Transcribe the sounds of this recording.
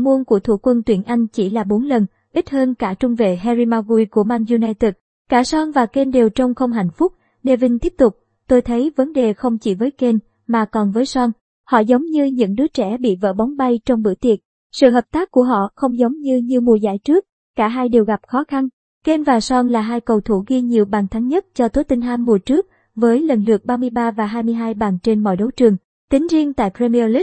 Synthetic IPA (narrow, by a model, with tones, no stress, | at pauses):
mu˧ənku˧˩ət̪ʰṵ˧˩kwə˧nt̪wi˧˩ənʔa˧jŋ̟t͡ɕi˧˩laː˨˩ɓo˨˦nlə˨˩n | ʔi˦˥t̚həː˧nkaː˧˩t͡ɕʊ˧ŋ͡mve˧˨ɦɛ˧zi˧maː˧ɣu˧jku˧˩əmaː˧nzu˧naː˧jt̪i˨˩t̚ | kaː˧˩sɔ˧nvaː˨˩ke˧nɗe˨˩wt͡ɕɔ˧wŋ͡mxə˧wŋ͡mɦa̰˧˨jŋ̟fʊ˦˥k͡p̚ | ɗe˧˨˩vï˧ŋ̟t̪i˦˥əp̚t̪ʊ˨˩k͡p̚ | t̪o˧jt̪ʰə˨˦jvə˨˦nɗe˨˩xə˧wŋ͡mt͡ɕi˧˩vəː˨˦jke˧n | maː˨˩kɔ˨˩nvəː˨˦jsɔ˧n | hɔ̰˧˨zə˨˦wŋ͡mɲɨ˧ɲɨ̰˧˥ŋɗɨ˨˦ət͡ɕɛ̰˧˩ɓḭ˧˨və̰ː˧˥ɓɔ˨˦wŋ͡mɓa˧jt͡ɕɔ˧wŋ͡mɓɨ̰˧˩t̪i˨˩ət̚ | sɨ̰˧˨ɦəː˨˩p̚t̪aː˦˥k̚kːu˧˩əɦɔ̰˧˨xə˧wŋ͡mzə˨˦wŋ͡mɲɨ˧ɲɨ˧mu˨˩əza̰ː˧˥˩jt͡ɕɨ˦˥ək̚ | kaː˧˩ɦaː˧jɗe˨˩wɣa˨˩p̚xɔ˨˦xa˧n | ke˧nvaː˨˩sɔ˧nlaː˨˩ɦaː˧jkə˨˩wt̪ʰu˧˩ɣi˧ɲi˨˩əwɓaː˨˩ŋt̪ʰa˨˦ŋɲə˦˥t̚t͡ɕɔ˧t̪o˨˦t̪i˧ŋ̟hʰaː˧mːu˨˩ət͡ɕɨ˦˥ək̚ | vəː˨˦jlə˨˩nlɨ˨˩ək̚ɓaː˧mɨ˧əjɓaː˧vaː˨˩ɦaː˧jmɨ˧əjɦaː˧jɓaː˨˩ŋt͡ɕe˧nmɔ̰˧˨jɗə˨˦wt͡ɕɨ˨˩əŋ | t̪ï˨˦ŋ̟zi˧əŋt̪a̰ː˧˨jpɾe˧mi˧li˦˥